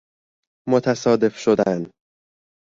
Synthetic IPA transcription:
mot̪ʰæsɒːd̪e̞fʃod̪æn

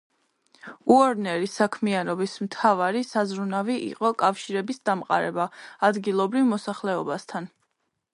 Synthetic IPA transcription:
uɔɾnɛɾisakʰmianɔbismt̪ʰavaɾisazɾunaviʔḭqʼɔkʼafʃiɾɛbisd̪amqʼa̰ɾɛbaːd̪ɡilˠɔbɾivmɔsaχlɛɔbast̪ʰan

